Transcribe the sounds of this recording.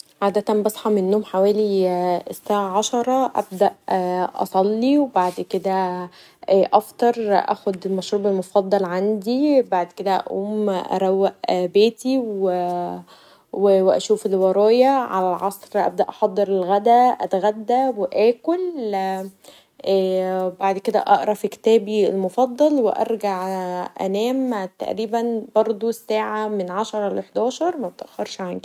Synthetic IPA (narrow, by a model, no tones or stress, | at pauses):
ʕaːd̪æt̪ænbɑsˤħɑmenːoːmħawæːliesːaʕaʕɑʃɑɾˤɑʔæ̰b̚d̪æʔʔɑ̰sˤɑlːiwebaʕd̪ked̪æː | ʔæft̪ˤɑɾˤʔæ̰ːxod̪elmæʃɾuːbelmofɑd̪ˤːɑlʕand̪ibaʕd̪ked̪æʔæ̰ʔo̰ːmʔæ̰ɾˤæwːæʔbeːt̪iwe | weweʔæ̰ʃuːfelwɑɾˤɑːjæʕa̰lælʕɑsˤɾʔæ̰b̚d̪æʔɑħɑd̪ˤːeɾelɣæd̪æʔæ̰t̪ɣæd̪ːæweʔæːkol | ʔːbaʕd̪ked̪æ̰ʔɑʔɾˤɑfikt̪æːbielmofɑd̪ˤːɑlweʔɑ̰ɾˤɡaʕʔæ̰næːmt̪æ̰ʔɾiːbænbɑɾˤd̪ˤosːæːʕamenʕaʃɑɾˤɑleħd̪æːʃɑɾˤmæb̚t̪ʔæxɑɾʃʕanɡi